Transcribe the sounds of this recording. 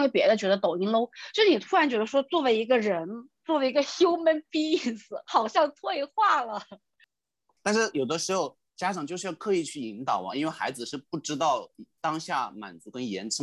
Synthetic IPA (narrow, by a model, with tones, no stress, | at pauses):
we˥ɪpjɛ˧˥d̪ə˧t͡ɕɥɛ˧˥d̪ə˧t̪o˨˩ʊi˥nlo˥ʊt͡ɕʂɻ̩˥˩ni˨˩u˥ɻa˧˥nt͡ɕɥɛ˧˥d̪ə˧˥ʂwɔ˥t͡swɔ˥˩we˧˥i˧˥ɡə˧ɻə˧˥n | t͡swɔ˥˩we˧˥i˧˥ɡə˧ɕjo˥ʊmə˧˥npi˥i˥˩sɹ̩˧˩xɑ˨˩ʊɕjɑ˥˧ŋt̪ʰwe˥˧ɪxwa˥˩lə˩ | t̪a˥˧nʂɻ̩˥˩jo˨˩ʊd̪ə˦ʂɻ̩˧˥xo˧ʊ | t͡ɕja˥ʈ͡ʂɑ˨˩ŋt͡ɕjo˥˧ʊʂɻ̩˥˧jɑ˥˩ʊkʰɤ˧˥i˨˩t͡ɕʰy˥˩i˧˥ŋt̪ɑ˨˩ʊɐ̰˦i˥nwe˥˩ɪxa̰˧˥ɪd͡zɹ̩˨ʂɻ̩˥˧pu˥˩ʈ͡ʂɻ̩˥t̪ɑ˥˩ʊt̪ɑ˥ŋɕja˥˩ma̰˨˩nt͡su˧˥kə˥njɛ̰˧˥nʈ͡ʂʰə˥